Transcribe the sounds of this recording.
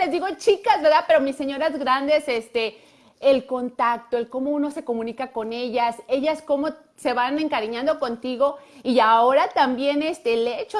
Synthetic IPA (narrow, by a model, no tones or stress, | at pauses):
lezd̪iɣo̞t͡ʃikazbe̞ɾðape̞ɾomisːeɲo̞ɾazɡɾand̪e̞sest̪eː | lko̞nt̪ak̚t̪oelko̞mouno̞se̞ko̞mũnikako̞neʝase̞ʝasko̞mo̞ | se̞βane̞ŋkaɾiɲãnd̪o̞ko̞nt̪iɣo̞iaoɾat̪ambje̞nest̪elet͡ʃo